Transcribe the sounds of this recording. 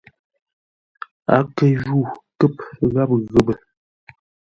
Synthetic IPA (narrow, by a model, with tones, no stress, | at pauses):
a̰˨˦kə˨ʒu˦˨kə˦˨p̚ɣa˦p̚ɣə˦˨bə˨